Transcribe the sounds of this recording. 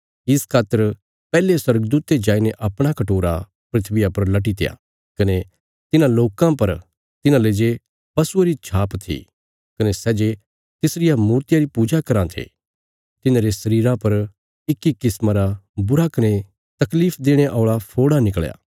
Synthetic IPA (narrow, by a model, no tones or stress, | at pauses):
ɪskʰaːt̪ːəɾ | pɛːleswɐɾɡəd̪uːt̪ed͡ʒaːineʔɐpɽ̃akɐʈoːɾa̰ | pɾɪt̪ʰʋɪjapɐɾlɐʈ̬it̪eja̰ | kɐne | t̪ɪnãloːkãpɐɾ | t̪ɪnãleːd͡ʒe | pɐsueɾit͡ʃʰaːpt̪ʰḭ | kɐnesɛːd͡ʒe | t̪ɪsɾɪjamuːɾt̪ɪjaɾipuːd͡ʒakɐɾãt̪ʰḛː | t̪ɪnãɾesɐɾiːɾãpɐɾ | ɪkːikɪsmãɾabʊɾakɐne | t̪ɐkliːpʰd̪eːɽ̃eʔɔːɭapʰoːɽanɪkɭja̰ː